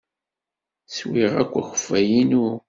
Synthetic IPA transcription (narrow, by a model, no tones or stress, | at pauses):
swiʁækʷːəxə̥fæjinu